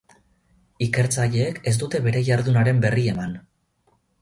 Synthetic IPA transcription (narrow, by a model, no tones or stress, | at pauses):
ike̞ɾt͡saʎe̞ːke̞zd̪ut̪e̞βe̞ɾe̞ʝaɾðunaɾe̞mbe̞rie̞man